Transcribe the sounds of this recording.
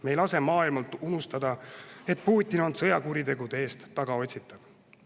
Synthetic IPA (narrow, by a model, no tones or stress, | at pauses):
me̞jlɑse̞mɑːilmɑlt̪unust̪ɑd̪ɑe̞t̪̚puːt̪ʲːino̞nt̪sɤjɑkuɾid̪e̞ɡud̪̥eeːst̪ːɑɡ̥ɑo̞tʲsit̪ːˑɑb̥